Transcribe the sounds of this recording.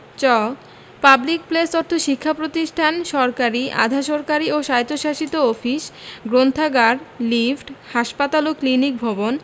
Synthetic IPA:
t͡ɕɔ | pablik̚plest̪ɔɾt̪ʰoʃikʰːapɾot̪iʃʈʰanʃɔɾkaɾiʔa̰d̪ʱaʃɔɾkaɾioʃajt̪ːoʃaʃit̪oɔfiʃɡɾont̪ʰaɡaɾlifʈhaʃpat̪aloklinik̚bʱɔbon

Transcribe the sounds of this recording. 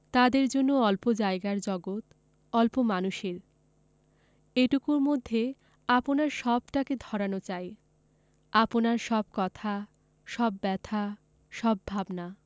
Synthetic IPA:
t̪ad̪eɾd͡ʑonːoɔlpod͡ʑaeɡaɾd͡ʑɔɡot̪ | ɔlpomanuʃeɾ | eʈukuɾmod̪ʱːe | aponaɾʃɔbʈaked̪ʱɔɾanot͡ɕae | aponaɾʃɔb̚kɔt̪ʰa | ʃɔbːɛt̪ʰa | ʃɔbːʱabna

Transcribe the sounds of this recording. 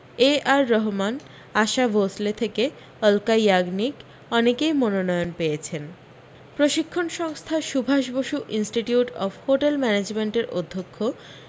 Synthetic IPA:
eʔaɾːɔɦman | aʃabʱoslet̪ʰeke | ɔlkajaɡnik | ɔnekejmononɔjonpejet͡ɕʰen | pɾoʃikʰːonʃɔŋst̪ʰaʃubʱaʃboʃuʔinsʈiʈijuʈɔ̰fhoʈelmɛned͡ʑmeɳʈeɾʔo̰d̪ʱːokʰːo

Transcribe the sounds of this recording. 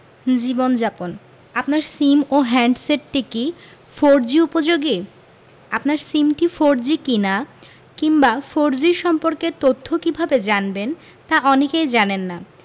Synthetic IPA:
d͡ʑibond͡ʑapon | apnaɾsimoɦɛɳɖseʈːiki | foɾd͡ʑiupod͡ʑoɡi | apnaɾsimʈifoɾd͡ʑikina | kiŋbafoɾd͡ʑiɾʃɔmpoɾket̪ot̪ʰːokibʱabed͡ʑanben | t̪aʔɔnekejd͡ʑanenːa

